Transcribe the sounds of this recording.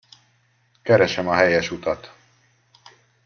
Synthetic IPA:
kɛɾɛʃɛmɒɦɛjɛʃut̪ɒt̪

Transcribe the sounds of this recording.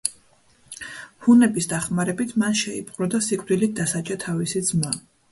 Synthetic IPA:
hunɛbisd̪aχmaɾɛbit̪ʰmanʃɛipʼqʼɾɔd̪asikʼvɾilid̪asat͡ʃʼat̪ʰavisid̪zma

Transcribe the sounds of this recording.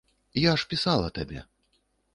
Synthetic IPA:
jaʂpʲisalˠɐ̰t̪abʲɛ̰

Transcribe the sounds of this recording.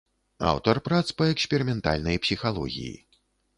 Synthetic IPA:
a̰wt̪ɐrpɾat̪spɐɛksʲpʲɛɾimʲɛnt̪a̰lʲnɐjpsʲixalˠɔ̰ɣʲḭjḭ

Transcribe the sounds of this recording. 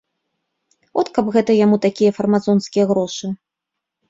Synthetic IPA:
vɔt̪kɐbɣɛt̪ɐjamut̪akʲijɐfɐrmad̪zɔnskʲijɐɣɾɔʂɨ

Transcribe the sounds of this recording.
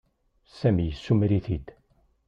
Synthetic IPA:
sæmijəsːumɾiθid̪

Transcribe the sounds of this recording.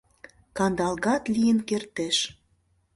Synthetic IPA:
kɑnd̪ɑlɣɑt̪lijənkert̪eʃ

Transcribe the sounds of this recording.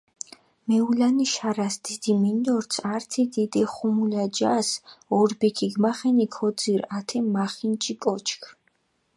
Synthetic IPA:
mɛulaniʃaɾasd̪̥id̪̥imind̪ɔɾt̪sʰaɾt̪ʰid̪id̪ɛχumulad͡ʒasɔɾbɛkʰiɡmaχɛnikʰɔd̪ziɾat̪ʰɛmaχint͡ʃʼikʼɔt͡ʃʰkʰ

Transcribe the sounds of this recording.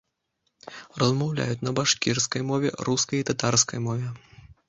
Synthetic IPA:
rɐzmawlʲa̰jut͡sʲnɐbaʂkʲirskɐjmɔvʲɛ̰ɾuskɐjit̪at̪arskɐjmɔvʲɛ

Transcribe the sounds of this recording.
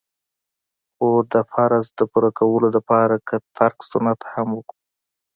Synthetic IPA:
xod̪əfaɾazd̪əpuɾakawəlolapɑɾakʰat̪ʰaɾksʊnat̪hamwəku

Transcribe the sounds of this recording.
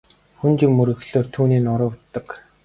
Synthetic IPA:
xunt͡ɕĭkmːɵɾɘ̆xɮoːrt̪ʰuːniːnʊɾə̆wt̪ːə̆k

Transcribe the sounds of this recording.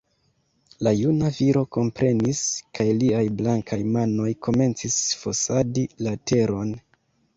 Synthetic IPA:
lajunaviɾo̞ko̞mpɾe̞niskʰajliajblaŋkʰajmano̞jkʰo̞me̞nt͡sisfo̞sadilatʰe̞ɾo̞n

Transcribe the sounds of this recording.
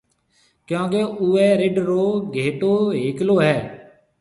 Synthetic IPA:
kjõːkeuɛːɾeɖɾoːɡʱeːʈoːɦeːkloːɦɛː

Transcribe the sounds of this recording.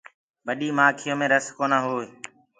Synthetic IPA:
ɓəɗiːmaːkʰɪjõːmẽːɾəskoːnãːɦoː

